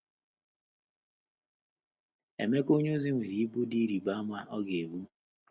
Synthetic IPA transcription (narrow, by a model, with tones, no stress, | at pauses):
ḛ˨me˦ko˦ɲ˦o˦zi˦ŋʷe˨ɾi˨i˦bu˦di˦ɾi˨ba˦ma˦ʔɔ˦ɡe˨bu˦